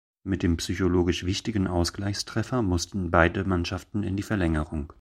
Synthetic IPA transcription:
mɪt̚d̥eːmpsyçoloːɡɪʃv̥ɪçtɪɡn̩ʔaʊsɡ̥laɪçstʁ̥ɛfɐmʊstn̩baɪdəmanʃaftn̩ɪ̰ndiːfɛɐlɛŋəʁʊŋ

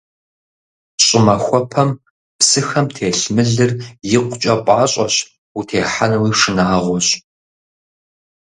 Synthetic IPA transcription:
ɕʼɪmɐxʷɔpʰɐm | psɨxɐmtʰeːɬmɨɮɨrjɪqʷʊt͡ʃʼɐpʷʼɑːɕʼɐɕ | utʰeːħanwiːʂɨnaːʁʷɔɕ

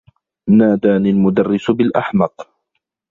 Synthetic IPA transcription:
naːd̪aːnɪlmʊd̪arːɪsbɪlʔa̰ħmɑq

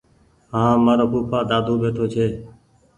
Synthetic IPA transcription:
ɦãːmaːɾoːkuːpʰaːd̪aːd̪ʱoːbeːʈʰoːt͡ʃʰeː

